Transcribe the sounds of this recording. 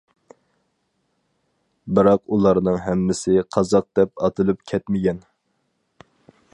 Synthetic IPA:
bɨɾɑqulˠɑɾnɨŋɦɛmːɪsɪqʰɑzɑq̚d̪ɛp̚ɑt̪ʰɨlˠɨpkʲʰɛt̪mɪɡʲɛn

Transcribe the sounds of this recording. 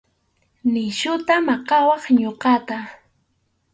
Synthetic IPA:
nɪʃʊt̪amɑqɑwɑχɲoqɑt̪a

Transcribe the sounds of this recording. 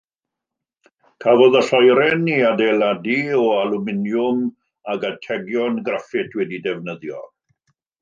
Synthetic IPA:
kʰavɔðəɬɔjɾɛniadeladiɔalumɪnjʊm | aɡatʰɛɡjɔnɡrafɪtʰwɛdidɛvnəðjɔ̰

